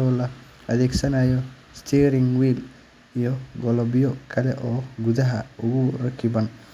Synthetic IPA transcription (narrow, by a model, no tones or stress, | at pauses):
ɔːlɐ | ɐðɛːɡsɐnaːjɔ | st̪ʰiːɾɪŋwiːl | ijɔɡɔlɔbɪjɔkʰɐlɛʔɔːɡuðɐɦɐʊɣʊrɐkʰɪbɐn